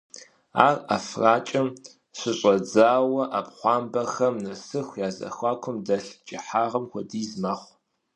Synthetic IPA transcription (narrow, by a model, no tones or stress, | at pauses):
a̰ːrafraːt͡ʃʼɐm | ɕɨɕʼɐd͡zaːwɐʔapχʷɑːmbɐxɐmnɐsɨxʷjaːzɐ̰xʷɑːkʷʰʊmdɐɬt͡ʃʼɪħaːʁɐmxʷɔdiːzmaːχʷ